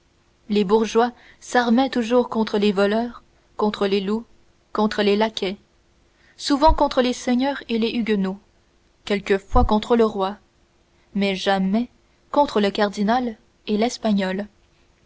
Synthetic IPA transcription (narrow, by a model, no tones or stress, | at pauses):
lebuʁʒwa | saʁmɛt̪uʒuːʁkɔ̃t̪χəlevɔlœːʁ | kɔ̃t̪χəlelu | kɔ̃t̪χəlelakʲʰɛ | suvɑ̃kɔ̃t̪χəlesɛɲœːʁeleʔyɡʲno | kʲɛlkəfwakɔ̃t̪χələʁwa | mɛʒamɛ | kɔ̃t̪χələkaʁd̪inal | elɛspaɲɔl